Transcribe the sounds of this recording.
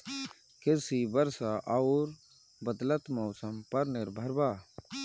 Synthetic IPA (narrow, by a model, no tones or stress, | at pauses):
kɪsibəɾsaʔaʊɾ | bəd̪lət̪mɔːsəmpɐɾnɪɾbʱɐɾbaː